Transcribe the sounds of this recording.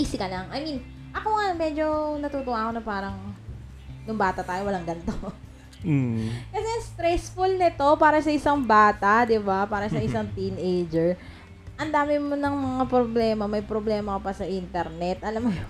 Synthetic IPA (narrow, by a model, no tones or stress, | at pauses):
ʔiːsɪkɐlaŋʔɐjmin | ʔɐko̞ŋamɛd͡ʒo̞nɐt̪uːt̪ʊwaːkonɐpaːɾɐŋ | nʊŋbaːt̪ɐt̪aːjowɐlaŋɡɐnt̪o | kɐsɛɐst̪ɾɛsfʊlnɪt̪o̞paːɾɐsɐʔɪsaŋbaːt̪ɐd̪ɪbapaːɾɐsɐʔɪsaŋt̪inʔejd͡ʒɛɹ | ʔɐnd̪aːmɪmonɐŋmɐŋapɾoblɛːmɐmɐjpɾoblɛːmɐkɐpɐsɐʔint̪ɛɾnɛt̪̚ʔɐlamːɐjo